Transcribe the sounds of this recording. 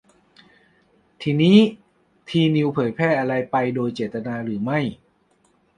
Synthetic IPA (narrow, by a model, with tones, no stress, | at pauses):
t̪ʰiː˧niː˦˥ | t̪ʰiː˧ni˧wpʰɤː˩˦jpʰɛː˥˩ʔa˧ɾa˧jpa˧jdoː˧jt͡ɕeː˨˩t̪̚t̪ːa˧naː˧ɾɯː˩˦ma˥˩j